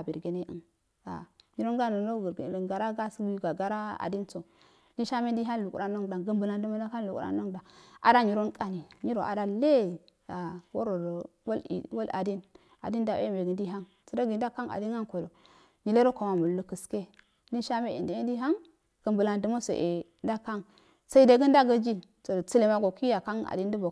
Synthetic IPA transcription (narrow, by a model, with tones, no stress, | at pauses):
a˨bi˨ɾɡe˦ne˦ʔə̰˨n | a̰˨ɲi˨˦ɾo˦nɡa˦no˨˦o˦˨ɡa˨ɾa˦ɡa˦sɡɡa˨ɡa˦ɾa˦a̰˨di˦nt͡so˨ | li˦nʃa˦me˦di˦ɦa˦n˨lu˨kṵ˨ɾa˦no˦ŋ˨da˨ŋɡə˦mbə˨la˨ndə˦ma˦da˦ka˦n˨lu˨kṵ˨˦a̰˦no˦ŋda˨a̰˨da˦ɲi˨ɾo˦nkʼa˦ni˨ɲi˦ɾo˨ʔa̰˨da˦le˦ | a˨wo˦ɾo˨ɾ | wo˦lḭ˨wo˦la̰˨di˦n | a̰˨di˦n˦da˨wḛ˦me˨ɡə˨ndi˦ɦa˦ŋ | t͡sə˨da˦ɡi˨nda˦ka˦ŋa̰˨di˦ŋa˦nko˨lo˨ | ɲi˨le˦ɾo˦ko˨ma˨mu˨llu˦kə˨ske˦ | di˦nʃa˦me˦ḭ˨ndi˨˦i˦di˦a˦ŋ | ɡ̥ə˨mbə˨la˨ndə˦mo˦so̰˨ʔe˨ | nda˦ka˦ŋ | sa˦i˦de˨ɡə˦nda˦ɡə˦d͡ʒi˦ | so˨t͡si˦le˨ma˨ɡo˨ki˦ja˨ka˦ŋa̰˨di˦ndə˦bo˨